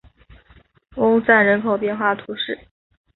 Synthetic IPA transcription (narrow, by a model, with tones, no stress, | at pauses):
ʊ˥ŋt͡sa˥˩ɪɻə˧˥nkʰo˨˩ʊpjɛ˥˧nxwa˥˩t̪ʰu˧˥ʂɻ̩˥˩